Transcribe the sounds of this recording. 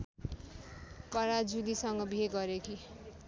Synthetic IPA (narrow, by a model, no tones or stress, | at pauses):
pʌɾad͡zud̪isʌŋɡʌbʱieɡʌɾekʰi